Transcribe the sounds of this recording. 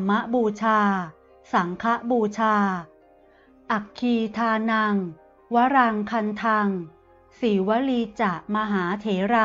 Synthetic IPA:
mːa˦˥ʔbuː˧t͡ɕʰaː˧ | sa˩˦ŋkʰa˦˥ʔbuː˧t͡ɕʰaː˧ | ʔa˨˩kʰːiː˧t̪ʰaː˧na˧ŋ | wa˦˥ɾa˧ŋkʰa˧nt̪ʰa˧ŋ | siː˩˦wa˦˥liː˧t͡ɕa˨˩ʔmaː˧ɦaː˩˦t̪ʰeː˩˦ɾa˧

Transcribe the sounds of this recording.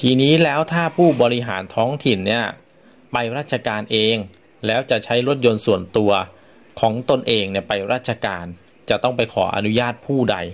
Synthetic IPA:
t̪ʰiː˧niː˦˥lɛː˦˥wt̪ʰaː˥˩pʰuː˥˩bɔː˧ɾi˦˥ɦa̰ː˩˦nt̪ʰɔː˦˥ŋt̪ʰi˨˩nːi˥˩ɐ | pa˧jɾaː˥˩t̪̚t͡ɕʰa˧kaː˧nʔeː˧ŋ | lɛː˦˥wt͡ɕa˨˩t͡ɕʰa˦˥jɾo˦˥t̪̚jo˧nsu˨˩ənt̪u˧ɐ | kʰɔː˩˦ŋt̪o˧nʔeː˧ŋni˥˩ɐpa˧jɾaː˥˩t̪̚t͡ɕʰa˧kaː˧n | t͡ɕa˨˩t̪ɔ˥˩ŋpa˧jkʰɔ̰ː˩˦ʔa̰˧nu˦˥jaː˥˩t̪̚pʰuː˥˩da̰˧j

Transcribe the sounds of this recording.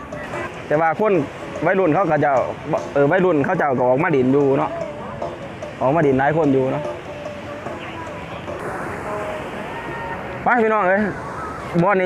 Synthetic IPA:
t̪ɛː˧˩waː˧kʰo˧˥˨n | wa˧˥˨lu˧˩˨nkʰa˧˥˨wkʰa˧˩t͡ɕa˧˩wʔɤː˧˩wa˧˥˨jlu˧˩˨nkʰa˧˥˩wt͡ɕa˧˩wka˧˩ʔɔː˨˩k̚maː˧˥˨i˨˩˦njuː˧nɔ˧˥ʔ | ʔɔː˨˩k̚maː˧˥˨di˨˦nlaː˨˦jkʰo˧˥˨njuː˧nɔ˧˥ʔ | pa˧˨pʰiː˧˨nɔː˧˩ŋʔɤː˧˥˨j | bɔː˧˨na˧

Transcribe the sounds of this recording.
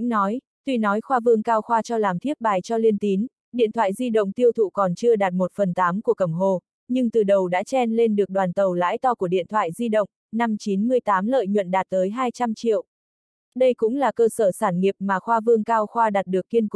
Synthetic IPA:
ŋnɔ˨˦j | t̪wi˧nɔ˨˦jxwaː˧vɨ˧əŋkaː˧wxwaː˧t͡ɕɔ˧laː˨˩mt̪ʰi˦˥p̚ɓaː˨˩jt͡ɕɔ˧li˧nt̪i˨˦n | ɗḭ˧˨ənt̪ʰwa̰ː˧˨jzi˧ɗə̰˧˨ŋ͡mt̪i˧əwt̪ʰṵ˧˨kɔ˨˩nt͡ɕɨ˧əɗaː˨˩t̚mo˨˩t̚fə˨˩nt̪aː˨˦mku˧˩əkə˧˩mɦo˨˩ | ɲɨ˧ŋt̪ɨ˨˩ɗə˨˩wɗa̰ː˧˥t͡ɕɛ˧nle˧nɗɨ˨˩ək̚ɗwaː˨˩nt̪ə˨˩wla̰ː˧˥jt̪ɔ˧ku˧˩əɗḭ˧˨ənt̪ʰwa̰ː˧˨jzi˧ɗə̰˧˨wŋ͡m | na˧mt͡ɕi˨˦nmɨ˧əjt̪aː˨˦mlə̰ː˧˨jɲwə̰˧˨nɗaː˨˩t̚t̪əː˨˦jɦaː˧jt͡ɕa˧mt͡ɕḭ˧˨əw | ɗə˧jkʊ̰˧˥ŋ͡mlaː˨˩kəː˧səː˧˩saː˧˩nŋi˨˩əp̚maː˨˩xwaː˧vɨ˧əŋkaː˧wxwaː˧ɗaː˨˩t̚ɗɨ˨˩əkːi˧ənk

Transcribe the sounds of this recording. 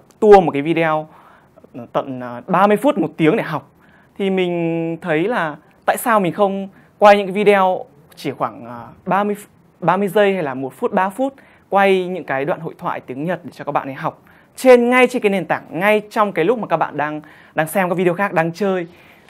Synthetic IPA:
t̪u˧əmo˨˩kaː˨˦jvi˧ɗw | t̪ə̰˧˨nː˨˩ɓaː˧mɨ˧əjfu˦˥t̚mo˨˩t̚t̪i˨˦əŋɗe˧˩ɦa˨˩wk͡p̚ | t̪ʰi˨˩mï˨˩ŋ̟t̪ʰə˨˦jlaː˨˩ | t̪a̰ː˧˨jsaː˧wmï˨˩ŋ̟xə˧wŋ͡m | kwa˧jɲɨ̰˧˥kaː˨˦vi˧ɗe˧w | t͡ɕi˧˩xwaː˧˩ŋə˨˩ɓaː˧mɨ˧əj | ɓaː˧mɨ˧əjzə˧jha˧jlaː˨˩mo˨˩t̚fu˦˥t̚ɓaː˧fu˦˥t̚ | kwa˧jɲɨ̰˧˥ŋkaː˨˦jɗwa̰ː˧˨nho̰˧˨jt̪ʰwa̰ː˧˨jt̪i˨˦əŋɲə˨˩t̚ɗe˧˩t͡ɕɔ˧kaː˦˥k̚ɓa̰ː˧˨ɗa˨˩ɦa˨˩wk͡p̚ | t͡ɕe˧nŋa˧jt͡ɕe˧nkaː˨˦ne˨˩nt̪aː˧˩ŋŋa˧jt͡ɕɔ˧wŋ͡mkaː˨˦jlʊ˦˥k͡p̚mː˨˩kaː˦˥k̚ɓa̰ː˧˨nɗaː˧ŋ | ɗaː˧ŋsɛ˧mkaː˦˥vi˧e˧xaː˦˥k̚ɗaː˧ŋt͡ɕəː˧j

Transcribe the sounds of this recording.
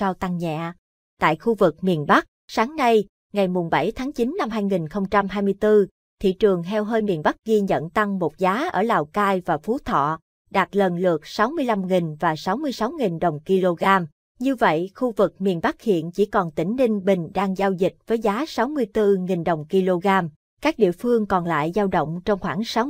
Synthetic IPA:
sa˧wt̪a˧ŋɲa̰ː˧˨ | t̪a̰ː˧˨jxu˧vɨ˨˩k̚mi˨˩ənɓa˦˥k̚saː˨˦ŋna˧j | ŋa˨˩jmu˨˩ŋ͡mɓa˧˩jt̪ʰaː˨˦ŋt͡ɕi˨˦nːa˧mɦaː˧jŋi˨˩nxə˧wŋ͡mt͡ɕa˧mɦaː˧jmɨ˧əjt̪ɨ˧ | t̪ʰḭ˧˨t͡ɕɨ˨˩əŋt̪ʰɛ˧wɦəː˧jmḭ˨˩ənɓa˦˥k̚ɣi˧ɲə̰˧˨nt̪a˧ŋmo˨˩t̚zaː˨˦ʔəː˧˩laː˨˩wkaː˧jvaː˨˩fu˨˦t̪ʰɔ̰˧˨ | ɗaː˨˩t̚lə˨˩nlɨ˨˩ək̚sa˨˦wmɨ˧əjla˧mŋi˨˩ŋ̟vaː˨˩sa˨˦wmɨ˧əjsa˨˦wŋi˨˩nɗə˨˩wŋ͡mki˧lo˧ɣaː˧m | ɲɨ˧və̰˧˨jxu˧vɨ˨˩k̚mḭ˨˩ənɓa˦˥k̚hḭ˧˨ənt͡ɕi˧˩kɔ˨˩nt̪ï˧˩ŋ̟lï˧ŋ̟ɓï˨˩ŋ̟ɗaː˧ŋzaː˧wzi˨˩k̟̚v̥əː˨˦jzaː˨˦sa˨˦wmɨ˧əjt̪ɨ˧ŋi˨˩nɗə˨˩wŋ͡mki˧lo˧ɣaː˧m | kaː˦˥k̚ɗḭ˧˨əfɨ˧əŋkɔ˨˩nla̰ː˧˨jzaː˧wɗə̰˧˨wŋ͡mt͡ɕɔ˧wŋ͡mxwaː˧˩ŋsa˨˦w

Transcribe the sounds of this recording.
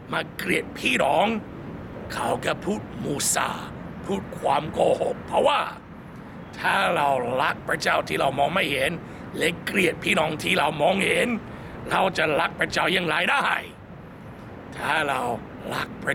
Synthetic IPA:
maː˧kli˨˩ət̪̚pʰiː˥˩nɔː˨˦ŋ | kʰa˨˦˩wka˧˩pʰuː˥˩t̪̚muː˧˩sa̰ː˧˩ | pʰuː˥˩t̪̚kʰwaː˧˥mkoː˧ho˨˦pʰːɾɔ˦˥waː˥˩ | t̪ʰaː˥˩ɾa˧wla˦˥k̚pʰɾa˧˥t͡ɕaː˥˩wt̪ʰiː˥˩ɾa˧˩wmɔː˧ŋma˥˩jhe˨˦n | lɛ˦˥kɾi˨˩ət̪̚pʰiː˥˩nɔː˨˦ŋt̪ʰiː˥˩ɾa˧˩wmɔː˧˥ŋhe˨˦n | ɾa˧wt͡ɕa˨˩ɾa˦˥k̚pʰɾa˧t͡ɕaː˧˩wja˧˩ŋlaː˨˦jdaː˥˩a̰˧˩j | t̪ʰaː˥˩ɾa˧w | la˦˥k̚pʰa˧

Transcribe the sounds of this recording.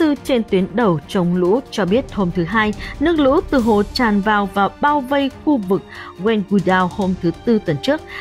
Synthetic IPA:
ɨ˧t͡ɕe˧nt̪wi˨˦ənɗə˨˩wt͡ɕə˨˩wŋ͡mlṵ˧˥t͡ɕɔ˧ɓi˦˥ət̚ho˧mt̪ʰɨ˨˦ɦaː˧jnɨ˦˥ək̚lṵ˧˥t̪ɨ˨˩ɦo̰˧˨t͡ɕaː˨˩nvaː˨˩wvaː˨˩ɓaː˧wvə˧jxu˧vɨ˨˩k̚ɣwɛ˧ŋɣu˧˩ɗaː˧who˧mt̪ʰɨ˨˦t̪ɨ˧t̪wə˨˩nt͡ɕɨ˦˥ək̚

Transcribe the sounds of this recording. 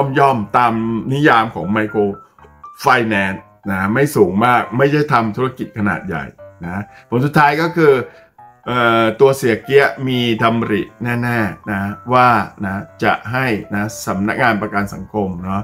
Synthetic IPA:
ɔ˥˩mjɔ˥˩mt̪aː˧mni˦˥jaː˧mkʰɔ̰ː˩˦ŋma˧jkʰoː˧ | fa˧jnɛː˧n | na˦˥ma˥˩jsuː˩˦ŋmaː˥˩k̚ma˥˩jda˥˩jt̪ʰa˧mt̪ʰu˦˥a˧ki˨˩t̪̚kʰa˧na̰ː˨˩t̪̚ja̰˨˩jna˦˥pʰo˩˦nsu˨˩t̪ʰːaː˦˥jkɔː˥˩kʰɯː˧ | ʔɤː˨˩t̪u˧ɐsi˨˩˦ɐki˦˥ɐmiː˧t̪ʰa˧m˧ɾḭ˨˩nɛː˥˩nɛː˥˩na˦˥waː˥˩na˦˥t͡ɕa̰˨˩ʔɦa˥˩jna˦˥sa˩˦mna˦˥k̚ŋaː˧npɾa˧ka˧nsa̰˨˩˦ŋkʰo˧mnɔ˦˥

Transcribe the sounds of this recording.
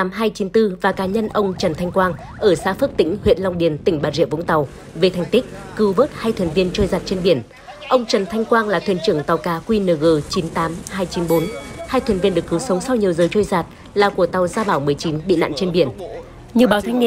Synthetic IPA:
t̪aː˨˦mɦaː˧jt͡ɕi˨˦nt̪ɨ˧vaː˨˩kaː˨˦ɲə˧nʔə˧wŋ͡mt͡ɕə˨˩nt̪ʰa˧jŋ̟kwaː˧ŋ | ʔəː˧˩sa̰ː˧˥fə˦˥p̚t̪ḭ˧˥ŋ̟hwḭ˧˨ənla˧wŋ͡mɗi˨˩ənt̪ï˧˩ŋ̟ɓaː˨˩nzḭ˧˨əvʊ̰˧˥ŋt̪a˨˩w | ve˨˩t̪ʰa˨˩jŋ̟t̪ï˦˥k̚kɨ˨˦wvəː˦˥t̚haː˧jt̪ʰwi˨˩nvi˧ənt͡ɕoː˧jzaː˨˩t̚t͡ɕe˧nɓi˧˩ən | ʔə˧wŋ͡mt͡ɕə˨˩nt̪ʰa˧jŋ̟kwaː˧ŋlaː˨˩t̪wḭ˧˩ənt͡ɕɨ˧˩əŋt̪a˨˩wkaː˨˦kwi˧nəː˨˩ɣəː˨˧˩t͡ɕi˨˦nt̪aː˨˦mɦaː˧jt͡ɕi˨˦nɓo˨˦nhaː˧jt̪ʰwi˨˩nvi˧ənɗɨ˨˩əkːɨ˨˦wsə˨˦wŋ͡msa˧wɲi˨˩əwzəː˨˩jt͡ɕo˧jzaː˨˩t̚ | laː˨˩ku˧˩ət̪a˨˩wzaː˧ɓaː˧˩wmɨ˨˩əjt͡ɕi˨˦nɓḭ˧˨la̰ː˧˨nt͡ɕe˧nɓi˧˩ən | ɲɨ˧ɓaː˨˦wt̪ʰa˧jŋi˧ə

